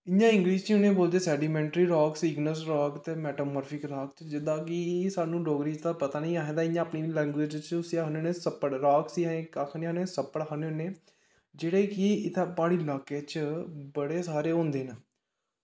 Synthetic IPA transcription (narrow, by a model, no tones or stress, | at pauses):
ɪjãːɪ̃ŋɡɾiːst͡ʃiʊnẽːboːld̪eːsɛːɖiːmɛ̃ːɳʈɾiːɾɔːksɪɡnoːsɾɔːkt̪eːmɛːʈoːməːɾpʰɪkɾaːkt͡ʃd͡ʒɪd̪ãːkɪsaːnũːɖoːɡɾiːd͡ʒt̪aːpət̪aːnĩːaːɦẽːd̪aːɪjãːəpniːlɛ̃ːŋɡweːd͡ʒt͡ʃʊsiaːɦneneːsəpːəɽɾaːksiːaẽːkakʰneːnẽːsəpːəɽəneːneː | d͡ʒeːɽeːkɪɪt̪ʰaːpaːɽiːlaːkeːt͡ʃbəɽeːsaːɾeːõːnd̪eːnə